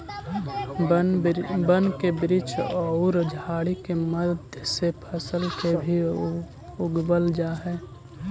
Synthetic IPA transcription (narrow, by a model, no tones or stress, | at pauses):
bənkebɾit͡ʃʰɔʊɾd͡ʒʱaːɽikeməd̪ʱjəsepʰəsəlkebʱi | ʊɡbəld͡ʒaːɦɛː